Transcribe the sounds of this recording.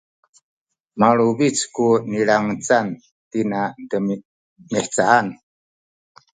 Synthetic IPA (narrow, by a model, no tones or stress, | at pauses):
maɭubit͡skuniɭaŋət͡san | tinadəm | miħt͡saan